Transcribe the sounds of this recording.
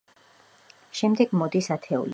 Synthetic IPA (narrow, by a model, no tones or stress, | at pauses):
ʃɛmd̪ɛɡmɔd̪isat̪ʰɛṵli